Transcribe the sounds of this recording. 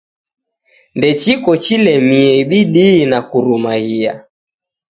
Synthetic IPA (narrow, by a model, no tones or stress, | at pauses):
ndɛt͡ʃikɔt͡ʃilɛmiɛiɓiɗiːnakuɾumaɣia̰